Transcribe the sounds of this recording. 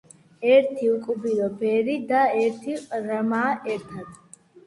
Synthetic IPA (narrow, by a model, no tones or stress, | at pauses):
ɛɾt̪ʰiukʼubilɔbɛːɾid̪aɛɾt̪ʰiɾɐmaːʔɛɾt̪ʰad̪